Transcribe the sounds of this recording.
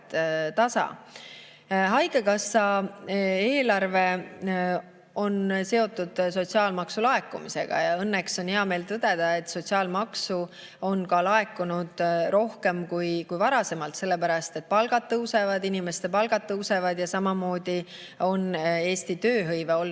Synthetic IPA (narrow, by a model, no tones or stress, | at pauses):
t̪ɑsɑ̰ | ɦɑjɡekɑsːɑ | e̞ːlɑrve̞ | o̞nse̞o̞t̪ːˑud̪̥so̞t̪siɑːlmɑksulɑe̞kːˑumise̞̰ɡ̥ɑ̰jɑɤnːekso̞nheɑme̞ːlt̪ɤd̪̥e̞d̪̥ɑe̞t̪so̞t̪ʲsiɑːlmɑksu | o̞nkɑlɑe̞kːˑunud̪̥ro̞hke̞mkujkujvɑɾɑse̞mɑlt̪se̞lːepæɾɑst̪e̞t̪̚pɑlɡ̥ɑt̪̚ːɤwse̞vɑd̪inime̞st̪e̞pɑlɡ̥ɑt̪̚tːɤwse̞vɑd̪̥jɑsɑmɑmo̞ːd̪̥i | o̞ne̞ːst̪it̪ø̞ːɦɤjveolː